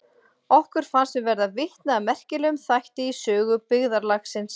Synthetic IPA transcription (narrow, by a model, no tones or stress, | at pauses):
ɔhkʏɾ̥fansɪvɛɾðavɪht̪naːmɛr̥cɪlʏmθajht̪ɪisœːɣʏpɪɣðaɾlaxsɪns